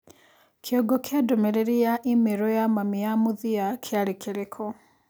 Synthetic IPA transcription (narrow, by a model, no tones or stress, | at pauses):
kʰeɔɡokeadomɛɾeɾiaʔimeɾɔjamamijamoðiakʰeaɾekʰeɾekʰɔ